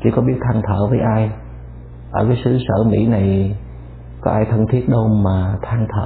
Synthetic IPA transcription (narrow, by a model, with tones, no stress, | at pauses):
t͡ɕḭ˧˩kɔ˨˦ɓi˦˥ət̚t̪ʰaː˧ŋt̪ʰəː˧˨vəː˨˦jʔaː˧j | ʔəː˧˩kaː˨˦jsɨ˨˧˦səː˧˩mḭ˧˥na˨˩j | kɔ˨˦ʔaː˧jt̪ʰə˧nt̪ʰi˦˥ət̚ɗə˧wmaː˨˩t̪ʰaː˧ŋt̪ʰə̰ː˧˨